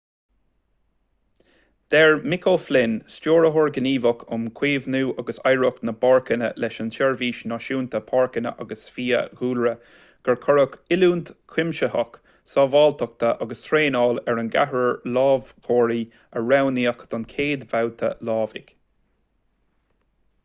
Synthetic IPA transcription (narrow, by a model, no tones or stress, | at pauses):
d̪̥ɛɹmɪkʰoflɪnst͡ʃoːɹəɦʊɹɡəniːvəkʰʊmkʰweːvnuːʔaɡəsajɹʊknəbɑɹkənə̰lɛʃəntɛɹviːʃnɔʃuːnt̪ʰəpʰɑːɹkənə̰ʔaɡəsfiːə̰ɡuːlɹə | ɡ̥əɹkʰɔɹəkɪluːnt̪kʰɪmʃəhɔk | sɔːvɑːlt̪ʰək̚t̪ʰəʔɑɡəst̪ʰɾeːnɑːlɛɹənɡa̰ɦɹəɹlɑːvkʰoːɹiː | əɹawniːəkd̪̥ɔnkʰeːd̪vawt̪ʰə̰lɑːvɪ̰ɡ